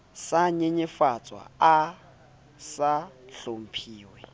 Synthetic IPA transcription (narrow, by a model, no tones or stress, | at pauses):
saɲeɲefat͡sʼwa̰a | saɬom̩pʰiːwɛ